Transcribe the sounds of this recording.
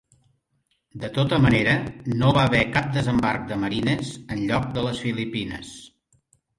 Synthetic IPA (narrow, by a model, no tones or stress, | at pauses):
d̪ət̪ot̪əməneɾənoβaβɛkap̚d̪əzəmbark̚d̪əməɾinəzənʎɔk̚d̪ələsfilipinə̰s